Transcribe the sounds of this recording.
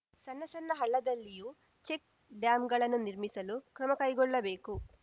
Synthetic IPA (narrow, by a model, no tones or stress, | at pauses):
sɐnːɐsɐnːɐɦɐɭːɐd̪ɐlːiju | t͡ʃek̚ | ɖjaːmɡɐɭɐnːuniɾmisɐlukɾɐmɐkɐjɡɔɭːɐbe̞ːku